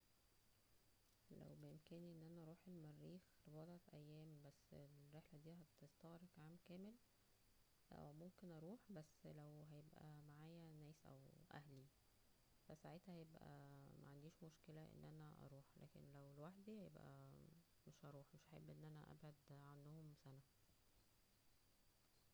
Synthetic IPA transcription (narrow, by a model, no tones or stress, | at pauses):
læ̰wbejemkæːniʔenːʔænæʔɑɾˤuːħelmærːiːxɾebɑːd̪ˤʕɑt̪ʔæjːæːmbæsːelɾeħlæd̪iːɦæt̪est̪ɑɣɾˤekʕaːmkæːmel | ʔæ̰wmomkenʔɑɾˤuːħbæsːlæwɦæjebʔæ̰maʕaːjænæːsʔæ̰wʔæ̰hli | fæsaʕeːt̪hæhæjebʔæ̰mæ̰ʕand̪iːʃmoʃkelæʔḛnːʔænæʔɑ̰ɾˤuːħlæ̰ːkḛnlæwelwaħd̪ːihæjḛbʔæ̰ | meʃʔɑɾˤuːħmeʃʔaħebːʔenːʔænæʔæ̰bʕod̪ʕanːohomsænæ